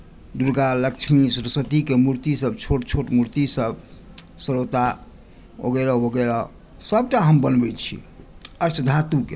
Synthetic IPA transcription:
d̪uɾɡaləkt͡ʃʰmisɾəsət̪ikemuɾt̪isəbt͡ʃʰoʈt͡ʃʰoʈmuɾt̪isəb | səɾot̪a | o̰ɡeɾaɦoɡɛɾa | səb̚ʈaɦəmbənbɛt͡ʃʰḭ | ət͡ʃʰd̪ʱat̪uke

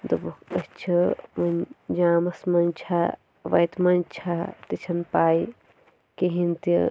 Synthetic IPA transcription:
d̪ɐbukɐst͡ʃʰɐʋɐnd͡ʒaːmɐsmɐnt͡ʃʰa | ʋɐjt̪mɐnt͡ʃʰat̪it͡ʃʰɐnpaːi | kiɦint̪

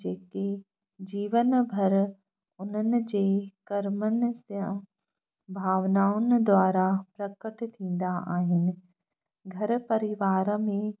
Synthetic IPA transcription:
d͡ʒeːke | d͡ʑiːʋənbʱɐɾ | ʊn̤ənɪ̆d͡ʑeːkɐɾmənɪ̆sə̃ | bʱaːʋnaːʊnɪd̪waːɾapɾɐkəʈt̪ʰĩːn̆d̪aʔa̰ːɦɪnɪ̆ | ɡʱɐɾpɐɾɪʋaːɾmẽ

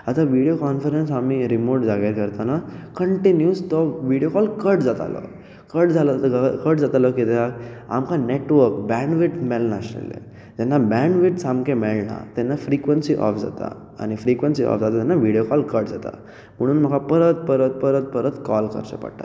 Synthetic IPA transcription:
at̪aʋiɽijokɔnfəɾensamiɾimoɾʈd͡zaɡeɾkəɾt̪anakəɳʈinjuːst̪ɔʋiɽjokɔlkəʈd͡zat̪a̰lə̰ | kəʈd͡zʱalkəʈd͡zat̪aləkit̪ɛaka̰mkaneʈʋəɾkbɛɳɖʋiʈmɛlnaɕḛlːḛ | d͡ʑɛnːabɛ̃ɳɖʋiʈsamkemɛɭna̰t̪ɛnːafɾikʋənsiʔɔ̰fd͡za̰t̪a̰ | a̰ñifɾikʋənsiʔɔ̰fd͡zat̪at̪ɛnːaʋiɽjokɔlkəʈd͡zat̪a̰ | m̤əɽ̃uːnm̤əɡapəɾət̪̚pəɾət̪̚pəɾət̪̚pəɾət̪kɔlkə̰ɾɕə̰pə̰ɽt̪a̰

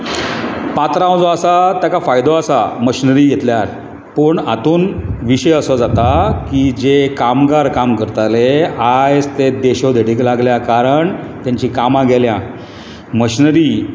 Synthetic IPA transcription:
pat̪ɾaõd͡zɔasat̪jakafajd̪oasaməɕinəɾiːjet̪ljaɾ | pəːɳat̪uːnʋiɕəjəsɔd͡zat̪akid͡ʑekamɡaɾkamkəɾt̪aleajd͡zt̪ed̪eɕod̪ʱeɽiklaɡljakaɾəɳt̪jaɲt͡ɕiːkamãɡelja | məɕinɾi

